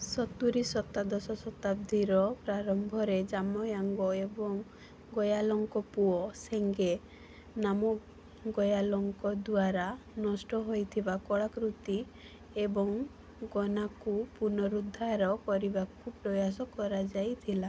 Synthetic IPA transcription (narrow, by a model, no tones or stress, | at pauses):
sɔt̪uɾisɔt̪ːad̪ɔsɔsɔt̪ab̚d̪ʱiɾɔpɾaɾɔmbʱɔɾed͡ʒamɔjaŋɡɔebɔŋ | ɡɔjalɔŋkɔpuɔseŋɡe | namɔ | ɡɔjalɔŋkɔd̪waɾa | nɔsʈɔɦojt̪ʰibakɔɭakɾut̪i | ebɔŋ | ɡɔnakupuɾnɔɾud̪ʱːaɾɔkɔɾibakupɾɔjas̬ɔkɔɾad͡ʒajt̪ʰila